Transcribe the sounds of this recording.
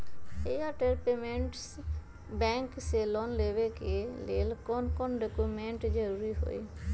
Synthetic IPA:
eaʈeɾpemẽɳʈs | bɛ̃ːŋkselɔnleʋekelḛːlkɔnkɔnɖokumẽɳʈd͡ʒəɾuːɾiɦo̰ḭ

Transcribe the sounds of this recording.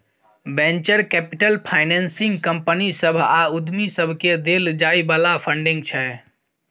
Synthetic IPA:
bẽnt͡ʃəɾkɛpiʈəlpʰaɪnɛnsĩŋɡkəmpənisəbʱaud̪misəbʱked̪eld͡ʒaibalapʰəɳɖĩŋɡt͡ʃʰɛ

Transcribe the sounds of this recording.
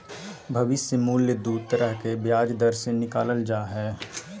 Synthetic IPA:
bʱɐʋɪsəmuːljəd̪uːd̪̚t̪əɾəɦkebjaːd͡ʒd̪əɾsenɪkaːləld͡ʒaːɦɛː

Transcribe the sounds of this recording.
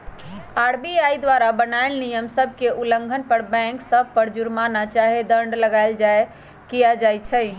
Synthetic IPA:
aɾbiajd̪ʋaɾabənaelnijəmsəbʱkeʔulə̃ŋɡʱənpəɾbɛ̃ŋksəb̚ʱpəɾd͡ʒuɾmanat͡ʃaɦed̪əɳɖləɡaɪld͡ʒae | kijad͡ʒajt͡ʃʰɛɪ

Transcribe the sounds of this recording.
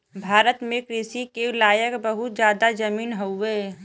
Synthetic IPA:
bʱaːɾət̪mẽkɾisikelaːjəkbəɦʊt̪̚d͡ʒjaːd̪ad͡ʒəmiːnɦoeː

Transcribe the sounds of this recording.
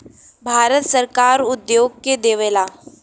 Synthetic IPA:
bʱaɾət̪səɾkaɾud̪joɡ̚ked̪eʋela

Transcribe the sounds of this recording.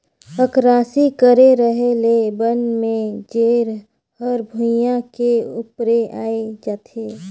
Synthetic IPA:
əkɾaːsikəɾeɾəɦelebənmẽd͡ʒeːɾ | həɾbʱʊjãkeʊpɾeaːed͡ʒaːt̪ʰeː

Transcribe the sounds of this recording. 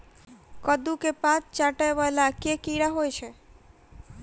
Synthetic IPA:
kɔd̪ukepãtt͡ɕaʈaeβɔelakekijɾaɦojet͡ɕʰe

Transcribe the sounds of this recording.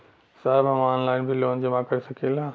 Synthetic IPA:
səɦbɦɐmaːnlaːɪnbʱiloːnd͡ʒɐmãkɐɾisɐkʰielãː

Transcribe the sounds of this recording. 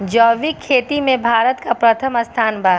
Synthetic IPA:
d͡ʒɔːʋikʰeːt̪imẽbʱaːɾət̪kapɾɐt̪ʰəmɐst̪ʰaːnbaː

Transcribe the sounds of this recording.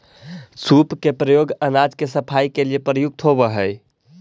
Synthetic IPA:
supkepɾəjoɡənad͡ʒkesəpʰaikeliepɾəjuɡ̚t̪ʰobəɦəj

